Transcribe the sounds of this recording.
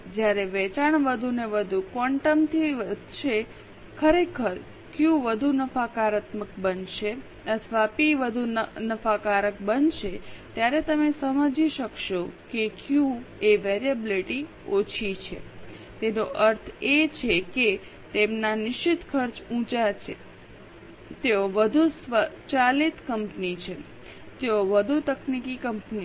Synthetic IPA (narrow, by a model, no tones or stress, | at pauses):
d͡ʒjaɾeʋɛt͡ʃaɳʋəd̪ʱuneʋəd̪ʱukəɳʈəmt̪ʰiʋəd̪ʱʃe | kʰəɾekʰəɾ | kjũʋəd̪ʱunəfakaɾət̪məkbənʃe | ət̪ʰʋapiʋəd̪ʱunəfakaɾək̚bənʃet̪jaɾet̪əmesəməd͡ʒiʃəkʃokekjũeʋeɾiəbiliʈi | ot͡ʃʰit͡ʃʰḛ | t̪enoʔəɾt̪ʰet͡ʃʰeke | t̪emnanɪʃit̪kʰəɾt͡ʃũt͡ʃat͡ʃʰe | t̪eoʋəd̪ʱusʋət͡ʃalit̪kəmpnit͡ʃʰe | t̪eoʋəd̪ʱut̪əknikikəmpni